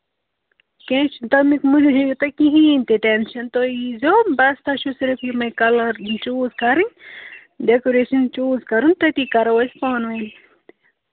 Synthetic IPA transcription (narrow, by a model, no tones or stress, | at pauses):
kẽːt͡ʃʰut̪ɐmikmud͡ʒd͡ʒɐjut̪ɐkiɦiːnt̪iʈenʃɐnt̪ojizoːbɐst̪ʰɐʃusiɾifimɐjkɐlɐɾt͡ʃuːzkɐɾiɲ | ɖekoɾeːʃɐnt͡ʃuːzkɐɾunt̪ɐt̪ikɐɾɐwɐspɑːnʋɐn